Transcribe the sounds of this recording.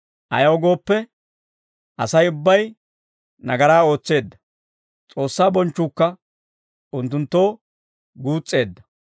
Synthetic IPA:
ʔɐ̰jɐwɔɡo̞ːpːɛ | ʔɐsɐjʊbːɐj | nɐɡɐɾaːo̞ːt͡sːe̞ːd̪ːɐ | t͡sʼo̞ːsːaːbɔnt͡ʃːuːkːɐ | ʔʊnt̪ːʊnt̪ːo̞ː | ɡuːt͡sʼːe̞ːd̪ːɐ̥

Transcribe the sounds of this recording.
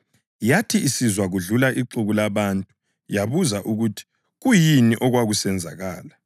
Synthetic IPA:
jatʰiisizwaɣuɮulaʔiǃuɣulaβantʼu | jaβuzaʔuɣutʰi̥ | ɣujiniʔɔɣwaɣusɛnd͡zʱaɣaːla

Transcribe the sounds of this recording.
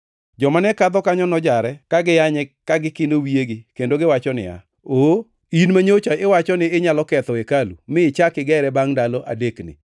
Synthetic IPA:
d͡ʒɔmanɛkad̪ɔkaɲɔnɔd͡ʒaɾɛkaɡɪjaɲɛkaɡɪkɪndowieɡɪkendoɡɪwat͡ʃɔnɪ̰a̰ | o | inmaɲot͡ʃaɪwat͡ʃɔnɪɪɲalɔkɛt̪ɔekalumɪːt͡ʃakɪɡɛɾɛbaŋdalɔʔa̰deknɪ̰

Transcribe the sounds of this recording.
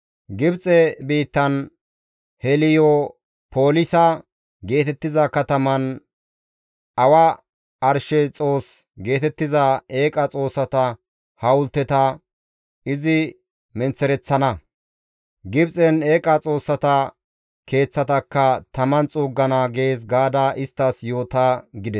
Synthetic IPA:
ɡɪbt͡sʼɛbiːt̪ːɐn | hɛlɪjɔ | po̞ːlɪsɐ | ɡe̞ːt̪ɛt̪ːɪzɐkɐt̪ɐmɐn | ɐwɐ | ɐɾʃɛt͡sʼo̞ːs | ɡe̞ːt̪ɛt̪ːɪzɐe̞ːkʼɐt͡sʼo̞ːsːɐt̪ɐ | hɐwʊlt̪ːɛt̪ɐ | ɪzɪ | mɛnt͡sːɛɾɛt͡sːɐnɐ | ɡɪbsʼɛne̞ːkʼɐt͡sʼo̞ːsːɐt̪ɐ | ke̞ːt͡sːɐt̪ɐkːɐt̪ɐmɐnt͡sʼuːɡːɐnaɡe̞ːs̬ɡaːd̪ɐʔɪst̪ːɐsjo̞ːt̪aɡɪd̪ɛs

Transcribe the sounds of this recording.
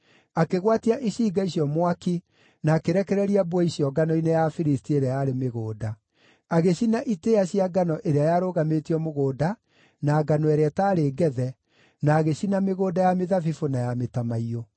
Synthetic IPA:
akeɣwatiaʔiɕiːɡaiɕiɔmwaki | naːkeɾɛkɛɾɛɾiabwɛiɕjɔɡanɔinejafiɾistieɾeajaɾemeɣoːda | aɣeɕinaʔiteaɕiaɡanɔʔeɾeajaɾoːɣametiɔmoɣoːda | naːɡanɔɛɾeataːɾeːɡɛðɛ | naːɣeɕinameɣoːdajameðafifonajametamaio

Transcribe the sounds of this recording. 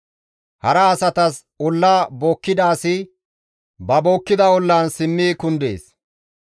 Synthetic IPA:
hɐɾɐːsɐt̪ɐs | ʊlːaːboːkːɪd̪aːsɪ | bɐboːkːɪd̪ɐɔlːɐnsɪmːiːkʊnd̪ḛːs

